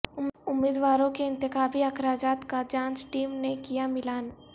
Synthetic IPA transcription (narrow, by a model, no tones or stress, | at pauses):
ʊmːɪːd̪waːɾõkeɪ̃nt̪ɪxaːbiɐkʰɾaːd͡ʒaːt̪kad͡ʒãːnt͡ʃʈiːmnekijamɪlaːn